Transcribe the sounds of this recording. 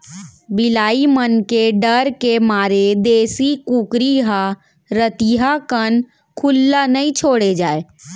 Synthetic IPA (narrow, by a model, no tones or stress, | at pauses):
bɪlaːimənkeɖəɾkemaːɾed̪eːsikũːkɾiɦa | ɾət̪iɦakən | kʰʊlːanəĩt͡ʃʰoːɽed͡ʒaːe